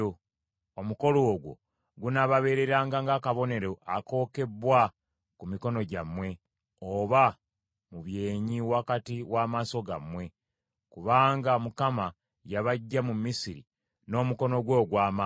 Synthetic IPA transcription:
o | omuko̞loːɡwo̞̰ | ɡunaβaβe̞ːɾe̞ɾaːŋɡaŋɡakaβo̞ne̞ɾo̞ʔa̰ko̞ːke̞bwa | kumiko̞no̞ɟamwe̞ | oβa | muβje̞ːɲiwakatiwaːmaso̞ɡa̰mwe̞ | kuβaːŋɡamukama | jaβaɟːamumːisiɾḭ | no̞ːmuko̞no̞ɡwo̞ːɡwaːma

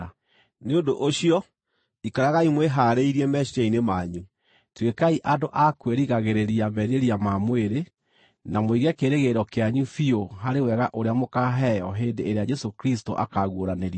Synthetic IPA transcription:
a | neondoʔoɕiɔ | ikaɾaɣaimweɦaɾeiɾiɛmɛʃiainemaɲu | twekaiʔadoʔakweɾiɣaɣeɾeɾiamɛɾeɾiamamweɾe | namoiɣɛkeɾeɣeɾɔkeaɲufioɦaɾewɛɣaʔoɾeamokaɦɛjɔɦeːndeeɾead͡ʒɛsokɾis̬toʔa̰kaɣwoɾaneɾia

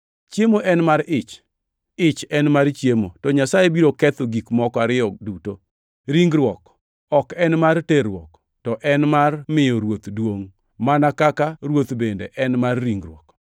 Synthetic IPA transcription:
t͡ʃjemoʔɛnmaɾɪt͡ʃ | ɪt͡ʃɛnmaɾt͡ʃjemotɔɲasajebiɾokɛt̪oɡikmɔkɔaɾɪɔduto | ɾiŋɡɾwɔk | ɔkɛnmarteɾwɔ̰k | tɔʔɛnmarmɪjɔɾwot̪dwoŋ | manakakaɾwot̪bendeʔɛnmarːiŋɡɾwɔk

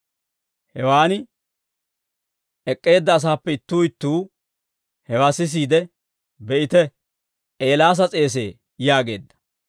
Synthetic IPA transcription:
hɛwaːnɪ | ɛkʼːe̞ːd̪ːɐːs̬aːpːɛɪt̪ːuːɪt̪ːuː | hɛwaːsɪs̬iːd̪ɛ | bɛʔɪt̪ɛ | ʔeːlaːs̬ɐt͡sʼe̞ːs̬e̞ː | jaːɡe̞̰ːd̪ːɐ̥

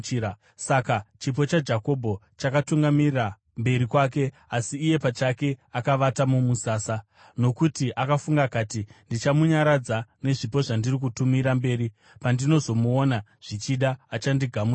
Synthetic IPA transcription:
a | sakat͡ʃip̬o̞t͡ʃad͡ʒako̞bʱo̞ | t͡ʃakatuŋɡamira | mbe̞ɾikwak̬e̞ | asiːje̞pat͡ʃake̞akaʋatamumusaːsa | no̞kutiʔakafuŋɡakaːtindit͡ʃamuɲaɾad͡zane̞ʐipo̞ʐandirik̬utumiɾambe̞ːɾi | pandino̞zo̞muonaʐ̥it͡ʃiɗaːt͡ʃandiɡʱamu

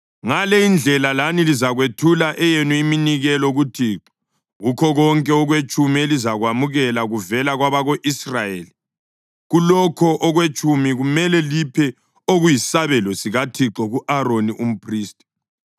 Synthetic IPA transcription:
ŋalɛind͡ɮʱɛlalanilizaɣwetʰulaʔɛjenuiminiɣɛlɔɣutʰiːǁɔ̥ | ɣukʰɔɣɔŋkʼɛɔɣwet͡ʃʼumielizaɣwamuɣɛlaɣuvɛlaɣwaβaɣoʔisrajeːli | ɣulɔkʰɔʔɔɣwet͡ʃʼumiɣumɛlɛlipʰɛ | oɣujisaβɛlɔsiɣatʰiǁɔɣuʔaɾoniʔum̩pʰriːstʼi̥

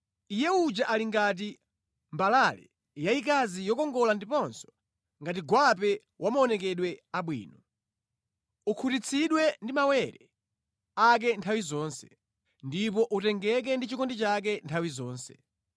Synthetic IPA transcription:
ijɛud͡ʒaʔaliŋɡat̬i | mbalalɛ̰ | jaik̬azijɔkɔŋɡɔlandipɔnsɔ̥ | ŋɡatiɡwap̬ɛ | wʔamaɔnɛkɛɗwɛaɓwḭːnɔ | ukʰutit͡sʰiɗwɛndimawɛɾɛ | ak̬ɛntʰawizɔːnsɛ̥ | ndip̬ɔʔutɛŋɡɛk̬ɛndit͡ʃikɔndit͡ʃak̬ɛntʰawizɔːnsɛ̥

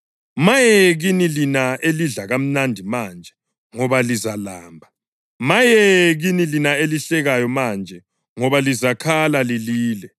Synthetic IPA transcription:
majɛɣinilinaeliɮaɣam̩nandʱimand͡ʒʱɛ | ŋɔβalizalaːmbʱa | majɛɣinilinaeliɬɛɣajɔmand͡ʒʱɛ | ŋɔβalizakʰalaliliːlɛ

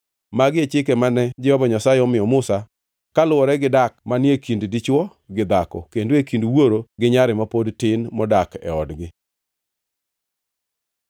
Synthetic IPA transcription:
maɡɪet͡ʃɪkemanɛd͡ʒɛhɔbaɲasaɪɔmɪjɔmʊsa | kalʊɔɾɛɡɪdak̚manjekinddit͡ʃwɔ | ɡɪd̪akɔ̰kendekindwoɾoɡɪɲaɾɪmapodtɪnmɔdakɛ̰ɔdɡɪ

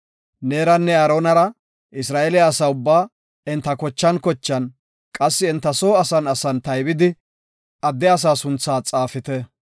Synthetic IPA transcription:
neːɾɐnːɛɐɾoːnɐɾɐ | ʔɪsɾaːʔɛlɪjaːsaːʊbːaː | ɪnt̪ːɐkɔt͡ʃːɐnkɔt͡ʃːɐn | kʼɐsːɪːnt̪ːɐsoːɐsɐnɐsɐnt̪ɐjbɪd̪ɪ | ʔɐd̪ːɛɐs̬aːsʊnt͡sːaːt͡sʼaːfɪt̪ɛ

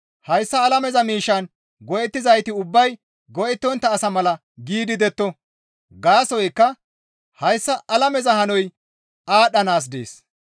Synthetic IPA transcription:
hɐjsːɐːlɐmɛzɐmiːʃːɐn | ɡɔʔɛt̪ːɪzɐjt̪ɪʊbːɐj | ɡɔʔɛt̪ːɔnt̪ːɐːsɐmɐlɐ | ɡiːd̪ɪd̪ɛt̪ːɔ | ɡaːsɔjkːɐ | hɐjsːɐʔɐlɐmɛzɐhɐnɔj | aːɗɐnaːs̬d̪ḛːs

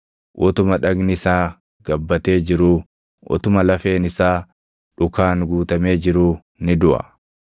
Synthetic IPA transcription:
ʔʊt̪ʊmɐᶑɐɡnɪɪsaː | ɡ̥ɐbːɐt̪e̞ːd͡ʒɪɾuː | ʔɔ̰t̪ʊmɐlɐfe̞ːnɪsaː | ᶑʊkaːŋɡuːt̪ɐme̞ːd͡ʒɪɾuː | nɪd̪ʊʔɐ̰

